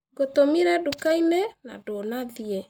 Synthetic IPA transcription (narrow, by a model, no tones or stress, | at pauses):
ɡotomiɾɛdukainena̰donaðiɛ